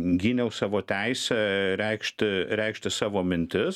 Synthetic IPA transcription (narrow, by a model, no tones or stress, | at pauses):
ɡʲiːnʲɛʊsɑːʋoːt̪ʲɛɪsʲɛɾʲɛɪkʃʲt̪ʲɪɾʲɛɪkʃʲt̪ʲɪsɑːʋoːmʲɪnʲt̪ʲɪs